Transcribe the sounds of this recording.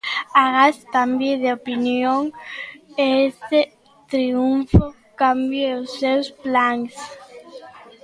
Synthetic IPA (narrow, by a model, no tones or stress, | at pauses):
aɣast̪ambjeðeopinjoŋ | eese | t̪ɾiuɱfo | kambjeosewsplaŋs